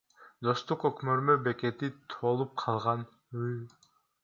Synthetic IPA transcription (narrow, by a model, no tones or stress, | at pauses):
d̪o̞st̪uqøkmøɾmøbe̞ke̞t̪it̪ʰolˠup̚qʰɑlˠʁɑn | yj